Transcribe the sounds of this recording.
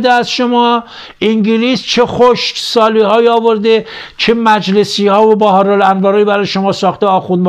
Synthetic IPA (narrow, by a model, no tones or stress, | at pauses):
d̪eæzʃomɒː | ʔiŋɟiliːst͡ʃʰe̞xoʃkʲsɒːliːhɒːjiɒːvo̞ɾd̪et͡ʃʰe̞mæd͡ʒle̞siːhɒːvobɒɦɒːɾɒlænvɒːɾɒːjibæɾɒːjeʃomɒːsɒːxt̪eɒːxunb